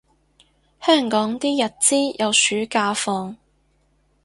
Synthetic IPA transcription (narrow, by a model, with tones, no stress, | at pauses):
hœː˥˩ŋkɔː˨˥ŋt̪iː˥jɐ˨t̚t͡siː˥jɐ˨˧wsyː˨˥kaː˧fɔː˧ŋ